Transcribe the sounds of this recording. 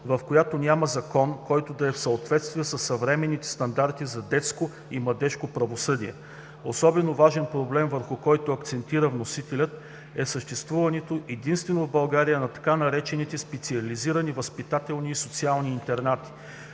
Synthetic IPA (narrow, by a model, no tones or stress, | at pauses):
vɐfkojat̪onʲamɐzɐkɔnkɔjt̪od̪ɐɛfsɐot̪vɛt̪st̪viɛsɐsːɐvɾɛmɛnːit̪ɛ̥st̪ɐnd̪aɾt̪izɐd̪ɛt̪sko | imlˠɐd̪ɛʃkopɾɐvosɤd̪iɛ̰ | osɔbɛnovaʒɛnpɾoblɛmvəɾxʊkɔjt̪oɐkt̪sɛnt̪iɾəvnosit̪ɛlʲət̪̚ | ɛsəʃt̪ɛst̪vuvɐnɛt̪oʔɛd̪inst̪vɛnovbɐlˠɡaɾijənɐt̪ɐ̥kanɐɾɛt͡ʃɛnit̪ɛspɛt̪siɐliziɾɐnivəspit̪at̪ɛlˠniːsot̪sialˠniːnt̪ɛɾnat̪i̥